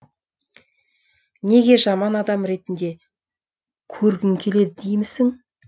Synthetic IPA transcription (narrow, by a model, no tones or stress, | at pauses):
ne̞ɡʲe̞ʒɑmɑnɑd̪ɑmɾe̞t̪ɪnd̪e̞ | kʲʰɵɾɡʲɪŋkʲʰe̞le̞d̪ɪd̪ejmɪsɪŋ